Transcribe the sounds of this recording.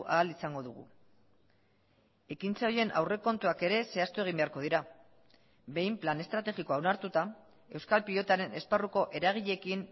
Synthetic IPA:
ʔaːlisaŋɡo̞ðuɣṵ | e̞kint͡seo̞jie̞nʔa̰wre̞ko̞nt̪uake̞ɾe̞se̞ast̪ue̞ɣ̞imbe̞aɾko̞ð̞iɾa | be̞jmplane̞st̪ɾat̪e̞ɣiko̞awnaɾt̪ut̪a | e̞wskalpilo̞t̪aɾe̞ne̞sparuko̞ʔe̞ɾaɣ̞iʎe̞kin

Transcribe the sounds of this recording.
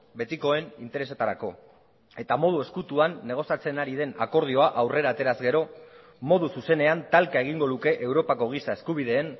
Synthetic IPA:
be̞t̪iko̞e̞nint̪eɾe̞se̞t̪aɾako̞ | e̞t̪amo̞ð̞ue̞skut̪uanːe̞ɣ̞o̞sjat͡se̞naɾiðe̞nako̞ɾð̞io̞aʔawre̞ɾaːt̪e̞ɾazɡe̞ɾo̞ | mo̞ðususe̞ne̞ant̪alkae̞ɣ̞iŋɡo̞ðuke̞ʔewɾo̞pako̞ɣ̞isae̞skuβ̞ið̞e̞ːn

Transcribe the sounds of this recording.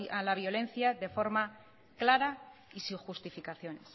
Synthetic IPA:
alaβjo̞le̞n̟θjaðe̞fo̞ɾma | klaɾaisiŋxust̪ifikaθjo̞nes

